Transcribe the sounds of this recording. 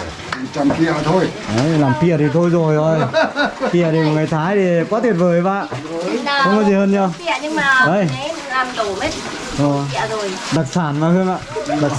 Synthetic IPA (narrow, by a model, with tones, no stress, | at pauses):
t͡ɕa˧mki˧˩ə˨t̪ʰo˧jʔa˨˦jlaː˨˩mki˧˩ət̪ʰi˨˩t̪ʰo˧jzo˨˩jzo˨˩jki˧˩ət̪ʰi˨˩mo˨˩t̚ŋɨ˨˩jt̪ʰaː˨˦jt̪i˨˩kɔ˨˦t̪ʰi˨˩t̚vəː˨˩jɓa̰ː˧˨˧ | ə˧˦ŋ͡mkɔ˨˦zi˨˩həː˧nt͡ɕɔ˧i˧ə˨ɲɨ˧ŋm˧aː˨˩ʔə˧˩˦j | laː˨˩mɗ̪o˨˧˩me˦˥t̚ | ʔo˨˩˧ə˨zo˨˩j | ɗa˨˩k̚saː˧˩nvaː˨˧˩hɨ˧əŋʔaː˧˨ɗa˨˩